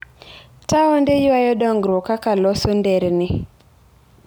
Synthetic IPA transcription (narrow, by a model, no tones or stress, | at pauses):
taɔndejwajɔdɔŋɡɾwɔkakalɔsɔndɛɾnɪ